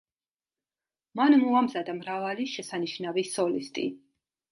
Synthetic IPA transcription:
manmɔamzad̪amɾavaliʃɛsaniʃnavisɔlist̪ʼḭ

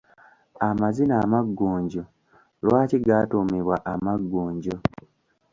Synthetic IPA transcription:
amazinaːmaɡːuːɲɟo | lwaːciɡaːtumiβwaʔamaɡːuːɲɟo

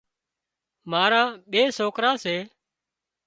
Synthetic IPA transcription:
maːɾãːɓeːsoːkɾãːseː

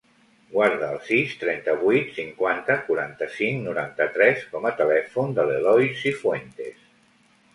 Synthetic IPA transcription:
ɡwaɾðəːlˠsist̪ɾɛnt̪əβuit̪siŋkwant̪əkuɾant̪əsiŋnuɾant̪ət̪ɾɛskɔmət̪əlɛfund̪əlelɔjsifwent̪ḛs

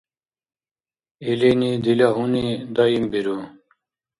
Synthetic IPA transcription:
ilinid̪ilaɦunid̪ʌimbiɾu

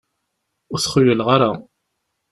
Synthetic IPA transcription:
ʊɾθχʊjəlʁaɾa

